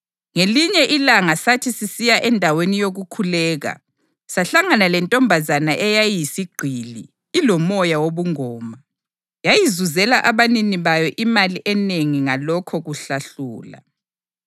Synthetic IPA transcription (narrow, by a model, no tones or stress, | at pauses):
ŋeliɲɛʔilaŋasatʰisisijaʔɛndʱawenijoɣukʰulɛːɣa̰ | saɬaŋanalɛntʼɔmbʱazanaʔɛjajisiɡ͡ǃʱiliː | lɔmɔjawoβuŋɔːma | jajizuzɛlaʔaβaniniβajɔʔimaliʔɛneŋiŋalɔkʰɔɣuɬaɬuːla̰